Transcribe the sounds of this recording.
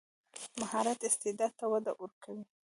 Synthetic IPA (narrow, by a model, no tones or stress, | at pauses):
mahɑɾat̪ɪst̪ɪd̪ɑd̪̚t̪awad̪aʔuɾkʰawi